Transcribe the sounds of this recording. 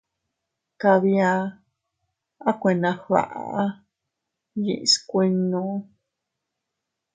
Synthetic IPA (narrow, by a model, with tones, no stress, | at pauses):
ka˧βi˧a˧ | a˦kʷẽ˨nã˧ha̰˨ʔa̰ʔa˦ | jḭ˨ʔskʷe˧nːũ˧